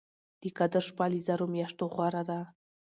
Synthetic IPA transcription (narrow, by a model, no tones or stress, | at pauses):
d̪̥ikad̪əʃpalizaɾomjaʃt̪oχwaɾad̪a